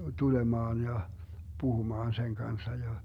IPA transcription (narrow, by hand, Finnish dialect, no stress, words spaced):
tulemɑːn jɑ puhumɑːn seŋ kɑnsːɑ jɑ